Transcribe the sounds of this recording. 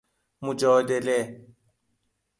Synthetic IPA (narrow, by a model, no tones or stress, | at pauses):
mʊd͡ʒɔdɛlɛ